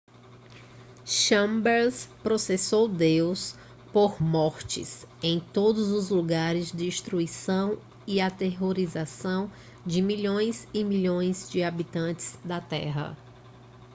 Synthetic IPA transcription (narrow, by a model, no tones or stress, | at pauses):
ʃɐ̃mbɛɾspɾosesowd̪ews | poɾmɔɾt͡ʃɪ̰sẽj̃t̪od̪ʊzʊzluɡaɾɪzd͡ʒɪiʃt̪ɾuisɐ̃w̃ | iat̪eɦoɾizasɐ̃w̃ | d͡ʒɪmiʎõj̃zɪmiʎõj̃zd͡ʒɪabit̪ɐ̃t͡ʃɪ̥z̥d̪ɐt̪ɛ̰ɦɐ̰